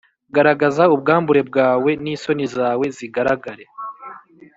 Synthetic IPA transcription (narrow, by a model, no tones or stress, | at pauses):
ɡaɾaɡazaubɡaːmbuɾe̞b̚ɡaːwe̞niːso̞nizaːwe̞ziɡaɾaɡaɾe̞